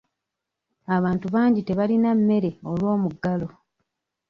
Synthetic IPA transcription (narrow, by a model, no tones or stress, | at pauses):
aβaːntuβaːɲɟite̞βalinamːe̞ɾe̞o̞lwo̞ːmuɡːalo̞